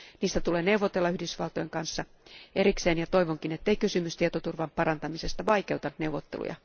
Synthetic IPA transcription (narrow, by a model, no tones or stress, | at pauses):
niːst̪æt̪uleːne̞wʋot̪elːɑyhdysʋɑlt̪ojeŋkɑnsːɑ | eɾikseːnjɑt̪o̞iʋoŋkinet̪ːeikysymyst̪iet̪ot̪urʋɑmpɑɾɑnt̪ɑmise̞st̪ɑʋɑike̞wt̪ɑnne̞uwʋːot̪ːḛlṵjɑ̰